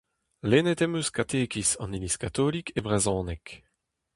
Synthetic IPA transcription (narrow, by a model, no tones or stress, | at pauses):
lenɛt̪ɛmøskat̪ʰeːkisɑ̰̃niliskat̪olikebʁezɔ̃ːnɛk